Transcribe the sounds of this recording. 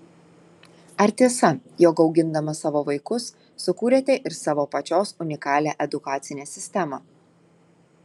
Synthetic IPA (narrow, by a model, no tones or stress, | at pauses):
ɐɾʲt̪ʲiɛsɐjoːkɒʊɡʲɪnd̪ɐmɐsɑːʋoːʋɐɪkʊsː | ʊkuːɾʲeːt̪ʲɛʔɪɾsɑːʋoːpɐt͡ʃʲoːsʊnʲɪkɑːlʲæːʔɛd̪ʊkɑːt̪sʲɪnʲeːsʲɪsʲt̪ʲɛmɑː